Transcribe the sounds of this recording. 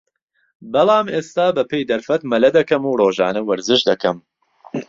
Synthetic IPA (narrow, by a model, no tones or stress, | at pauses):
bɐlˠaːmeːst̪aːbɐpʰejd̪ɐɾfɐt̪mɐlɐd̪ɐkɐmuːroːʒa̰ːnɐwɐɾzɨʃd̪ɐkʰɐm